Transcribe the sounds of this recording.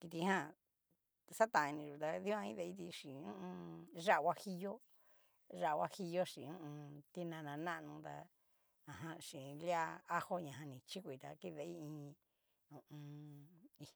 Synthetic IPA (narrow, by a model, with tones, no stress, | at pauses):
ki˧t̪i˧hã˦˨ | sa˦t̪ã˨˧ĩ˧nĩ˧ʐu˨t̪a˧ði˦ã˦˧ĩ˦ðe˧i˦t̪i˧ʂĩ˨˧ũ˦ʔũ˧ʐa˦ʔwʷa˦hi˦jo˦ | ʐa˦˨˧wa˦hi˧jo˦ʃĩ˨˧ũ˦ũ˧t̪i˧nã˧nã˧nã˦ʔnũ˧t̪a̰˧ | ã˨ɦã˧ʃĩ˨˧lja˦a˦ho˦ɲã˨ɦã˧nĩ˨t͡ʃi˦kʷi˨˧t̪a˧ki˦ðe˧˦i˦ĩː˧ | ũ˧ʔũ˧ | i˧